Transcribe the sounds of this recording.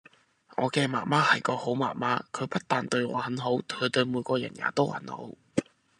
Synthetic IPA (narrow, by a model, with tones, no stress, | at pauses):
ŋɔ̰ː˨˧kɛː˧maː˨˩nmaː˥hɐ˨˩jkɔː˧ho˨˥wma̰ː˨˩maː˥kʰɵ˨˧ɥpɐ˥t̚t̪aː˨nt̪ɵ˧ɥŋɔ̰ː˨˧hɐ˨˥nɦo˨˥wt̪ʰɵ˨˧ɥt̪ɵ˧ɥmuː˨˧jkʷɔː˧jɐ̰˨˩nja̰ː˨˩t̪o˥whɐ̰˨˥nho̰˨˥w